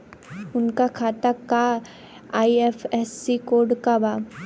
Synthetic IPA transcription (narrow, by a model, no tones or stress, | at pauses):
ʊnkakʰaːt̪aka | aːiefʰɛsːikoːɾɖkaba